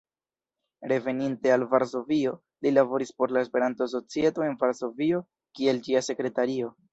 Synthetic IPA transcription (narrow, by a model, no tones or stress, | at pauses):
ɾe̞ve̞ninte̞alvaɾs̬o̞vio̞ | lilavo̞ɾispo̞ɾlaespe̞ɾantos̬o̞t͡sie̞to̞e̞nvaɾso̞vio̞ | kie̞ld͡ʒiase̞kɾe̞taɾio̞